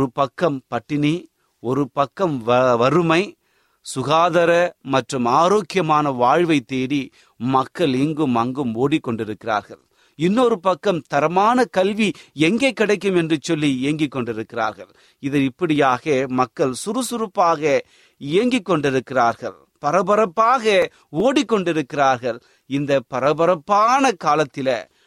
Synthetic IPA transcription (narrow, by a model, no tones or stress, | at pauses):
ɔɾɯpɐkːɐmpɐʈːɪni | ɔɾɯpɐkːɐmʋʋɐɾɯmɐɪ | sʊɣaːðɐɾɐmɐʈrɯmaːɾoːkɪjɐmaːnɐʋaːɻʋɐɪt̪ːeːɽi | mɐkːɐɭɪŋɡɯmɐŋɡɯmoːɽɪkːɔɳɖɪɾɯkːɪra̰ːɾɣɐɭ | ɪnːoɾɯpɐkːɐmt̪ɐɾɐmaːnɐkɐlʋiɛŋɡɐɪkːɪɽɐɪk̬ːɯmɛndrɯt͡ʃːɔlːiɪjɐŋɡɪkːɔɳɖɪɾɯkːɪra̰ːɾɣɐɭ | ɪðɐɪpːɐɽɪjaːɣɐmɐkːɐɭsʊɾɯsʊɾɯpːaːɣɐ | ɪjɐŋɡɪkːɔɳɖɪɾɯkːɪraːɾɣɐɭ | pɐɾɐbɐɾɐpːaːɣɐ | oːɽikːɔɳɖɪɾɯkːɪraːɾɣɐɭ | ɪnd̪ɐpɐɾɐbɐɾɐpːaːnɐkaːlɐt̪ːɪlɐ̰